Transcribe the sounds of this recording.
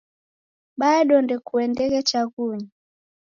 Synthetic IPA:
ɓaɗɔndɛkuɛndɛɣɛt͡ʃaɣuɲa

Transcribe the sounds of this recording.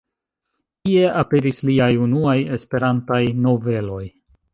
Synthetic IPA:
kie̞ʔape̞ɾisliajunuaje̞spe̞ɾantajno̞ve̞lo̞j

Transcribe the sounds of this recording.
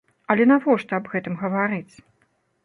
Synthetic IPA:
ɐlʲɛnavɔʂt̪ɐɐbɣɛt̪ɨmɣɐvaɾɨt͡sʲ

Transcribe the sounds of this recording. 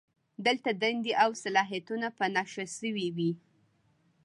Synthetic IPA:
d̪əlt̪ad̪and̪eʔawsalɑɦijat̪unapənaʃasəwiwi

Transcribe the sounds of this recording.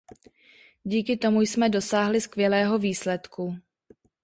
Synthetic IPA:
ɟiːkɪt̪o̞mujsmɛdo̞saːɦlɪskvjɛlɛːɦo̞viːslɛt̪kʰu

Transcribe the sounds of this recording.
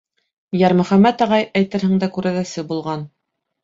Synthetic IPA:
jæɾmɵ̆χæmːæt̪ɑʁɑjæjt̪ɘ̆ɾhɘ̆ɴd̪ækʉɾæðæsɘbulˠʁɑn

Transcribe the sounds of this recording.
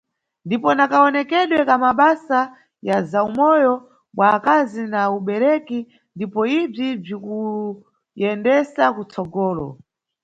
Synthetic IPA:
ndipɔnakaɔnɛkɛɗwɛkamaɓasa | jazaumɔjɔ | mwaːkazinauɓɛɾɛki | ndipɔib͡ʐib͡ʐiku | jɛndɛsakut͡sɔɡɔːlɔ̰

